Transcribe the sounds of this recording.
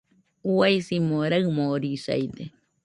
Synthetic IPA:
uajsimoɾaɨmoɾisa̰jd̪e

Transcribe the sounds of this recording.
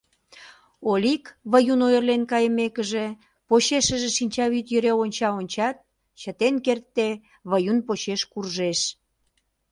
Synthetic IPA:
olikβəjunojərlenkɑjəmekəʒe | poɕeʃəʒeʃinʲt͡ɕɑβyt̪jəɾeonʲt͡ɕɑonʲt͡ɕɑt̪̚ | t͡ɕət̪enkert̪ːe | βəjunpoɕeʃkurʒeʃ

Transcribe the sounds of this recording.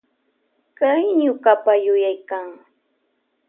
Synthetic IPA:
kajɲʊkapajʊjajkaŋ

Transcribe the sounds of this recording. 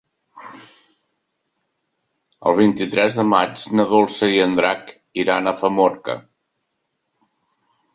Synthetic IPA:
ə̰lˠβ̞int̪it̪ɾɛzðəmad͡ʒnəðolˠsəiənd̪ɾak | iɾanəfəmoɾkə̰

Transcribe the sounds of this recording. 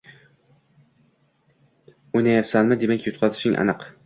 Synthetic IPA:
ojnajapsanmɪd̪e̞makʲjʊt̪̚qʰɑzɪʃɪŋʲʔa̰nɨq

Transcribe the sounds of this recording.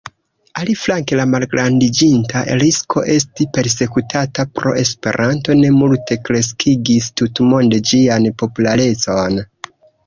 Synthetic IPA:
aliflaŋke̞lamalɡɾandid͡ʒintaɾisko̞̰ʔe̞stipe̞ɾse̞kutʰatapɾo̞̰e̞spe̞̰ɾʔanto̞ne̞multe̞kɾe̞s̬kʰiɡistutmo̞nde̞d͡ʒianpo̞pulaɾe̞t͡so̞n

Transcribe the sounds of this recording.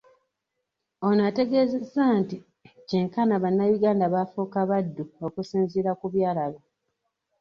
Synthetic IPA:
o̞nate̞ɡe̞ze̞zːaːnti | ceŋkanaβanːajuɡaːndaβafuːkaβadːuokusiːnziɾakuβjaːlalo

